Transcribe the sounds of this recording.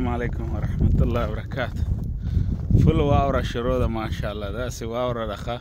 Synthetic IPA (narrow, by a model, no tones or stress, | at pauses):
mʕɑlɛjkʰʊmwɐɾˤɑħmɐt̪ʰʊlːaːhɪwbɐɾˤɐkʰaːt̪ʰʊ̥ | fʊlwaːʊɾɐʃɪɾɔːðɐmaːʃalːaːd̪aːsɪwɑːʊɾɐɖɐχɐ